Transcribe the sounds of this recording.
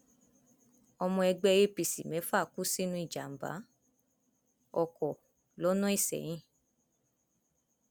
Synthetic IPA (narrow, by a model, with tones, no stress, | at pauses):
ɔ˧mɔ̃˧ɛ˧ɡ͡bɛ˧je˦pi˧sḭ˨mɛ̃˨˦fa˦˨ku˦si˦nũ˦i˦˨d͡ʒa̰˨m̩˨ba̰˨˦ | ɔ˧˨kɔ˨ | lɔ˨˦nɔ̃˦i˦˨sɛ̰˨j̃ĩ˦˨